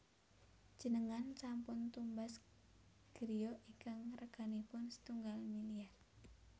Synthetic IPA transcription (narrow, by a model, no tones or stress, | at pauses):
d͡ʒ̥ənəŋant͡ʃampʊnt̪umbas | ɡ̥əɾijoʔikəŋrəɡ̥anipʊnsə̥t̪uŋɡalmiliar